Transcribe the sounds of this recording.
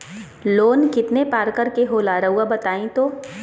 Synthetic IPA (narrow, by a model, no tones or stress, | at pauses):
loːnkɪt̪nepaːɾkəɾkeɦoːlaːɾɐɦuabɐt̪aːĩt̪oː